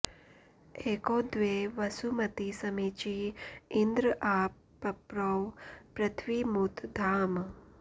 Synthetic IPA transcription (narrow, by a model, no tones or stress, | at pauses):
eːkod̪ʋeʋɐsumɐt̪isɐmit͡ʃiɪnd̪ɾəaː | ɐpɾoʋpɾɐt̪ʰʋiːmut̪d̪ʱaːm